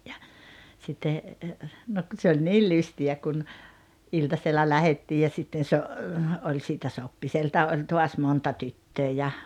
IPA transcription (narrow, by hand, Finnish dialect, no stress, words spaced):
jɑ sitːe nok ku se olʲ niːl lystiæ kun iltɑselːɑ læhetːiː jɑ sitːen so olʲ siːtæ sopːiseltɑ ʔolʲ toɑs montɑ tytːøː jɑ